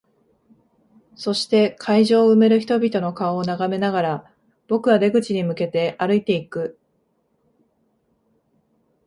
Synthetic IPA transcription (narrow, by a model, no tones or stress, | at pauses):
so̞ɕi̥t̪e̞kʰaiʑo̞ːɯ̟me̞ɾɯ̟çi̥t̪o̞bʲit̪o̞no̞kaoːnaɡame̞naɡaɾa | b̥o̞kɯ̟βad̪e̞ɡɯ̟t͡ɕiɲ̟imɯ̟ke̞t̪e̞ʔaɾɯ̟it̪e̞ikɯ̟